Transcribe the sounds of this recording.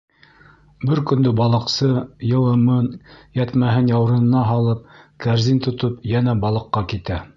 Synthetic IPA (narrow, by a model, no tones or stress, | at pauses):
bɘɾkɵ̆nd̪ɵbɑlˠɤ̆qsɤjɤ̆lˠɤ̆mɤnjæt̪mæɦɘnjɑw̆ɾɤ̆nɤ̆nɑɦɑlˠɤp̚kæɾzint̪ŏt̪ɤpjænæbɑlˠɤ̆qːɑkit̪æ